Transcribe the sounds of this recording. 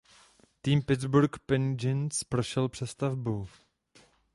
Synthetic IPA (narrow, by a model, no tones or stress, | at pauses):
t̪iːmpɪd̪zbuɾkpɛnd͡ʒɪnspɾoʃɛlpr̝̥ɛst̪avbu